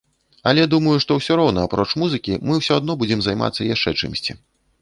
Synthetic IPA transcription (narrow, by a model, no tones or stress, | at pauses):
ɐlʲɛd̪umɐjuʂt̪ɔwsʲɔɾɔwnɐapɾɔt͡ʂmuzɨkʲimɨwsʲɔad̪nɔbud͡zʲɛmzajma̰t̪sːɐjaʂt͡ʂɛt͡ʂɨ̰msʲt͡sʲi